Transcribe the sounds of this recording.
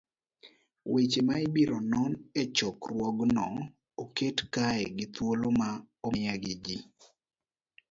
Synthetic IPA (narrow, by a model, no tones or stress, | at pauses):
wet͡ʃemaibiɾonɔnet͡ʃɔkrwɔɡnɔ | oketkaɛɡɪt̪woloma | ɔmɪaɡɪd͡ʒi